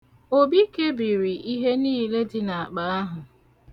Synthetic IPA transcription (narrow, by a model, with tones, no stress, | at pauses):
o˦bi˦ke˦bi˨ɾi˨i˦ɦe˦niː˦˨le˦dɪ˦na˨a˨k͡pa˨˦a˦ɦʊ˨